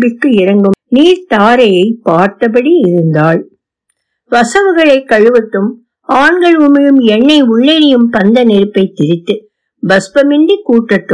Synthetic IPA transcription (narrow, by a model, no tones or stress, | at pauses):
bɪkːɯɪɾɐŋɡɯmniːɾt̪aːɾɐjɐɪpːaːɾt̪ɐpɐɽiɪɾɯnd̪aːɭ | ʋɐsɐʋɯɣɐɭɐɪkːɐɻɯʋɐʈ̪ːɯm | aːɳɡɐɭʊmɪɻɯmɛɳːɐɪʊɭːeɾɪjɯmpɐnd̪ɐnɛɾɯpːɐɪt̪ːɪɾɪt̪ːɯ | bɐspɐmɪɳɖikuːʈːɐʈːɯ